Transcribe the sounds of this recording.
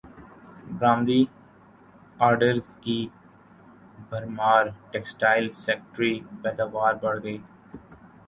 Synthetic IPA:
bɾãːmd̪i | aːɾɖəɾzki | bʱɐɾmaːɾʈɛːksʈaːɪlsɛːk̚ʈɾibɛːd̪abaːɾbɐɽɡəiː

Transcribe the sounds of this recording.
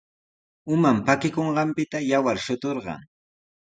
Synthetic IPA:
ʊmampakɪkoɴɢɑmpɪt̪ajawaɾʃʊt̪oɾɢɑ̰ŋ

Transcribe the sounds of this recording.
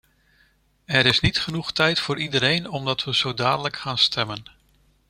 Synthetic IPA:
ɛɾɪsnitχənuχtʰɛjtfʊːɾidəɾejnɔmdɑtʋəz̥owdaːdələkχaːnstʰɛmən

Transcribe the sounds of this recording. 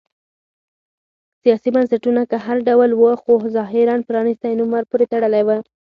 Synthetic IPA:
sijɑsibansaʈunakəɦaɾɖawlwəxozɑɦɪɾɑnpəɾɑnist̪ajnumaɾpuɾet̪aɽəlajwə

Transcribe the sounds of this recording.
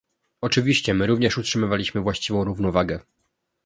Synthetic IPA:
ɔt͡ʂɘvʲiɕt͡ɕɛmɘɾuvɲɛʂutʂɘmɘvalʲiɕmɘvwaɕt͡ɕivɔ̃w̃ɾuvnɔvaɡɛ

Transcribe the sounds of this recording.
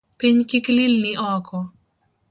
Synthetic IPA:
piɲkɪklɪlnɪʔɔkɔ

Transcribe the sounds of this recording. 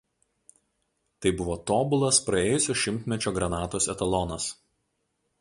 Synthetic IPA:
t̪ɐɪbʊʋoːt̪oːbʊlˠɐspɾɐeːjʊsʲoːʃʲɪmʲt̪ʲmʲɛt͡ʃʲoːɡɾɐnɑːt̪oːsɛt̪ɐlˠɔnɐs

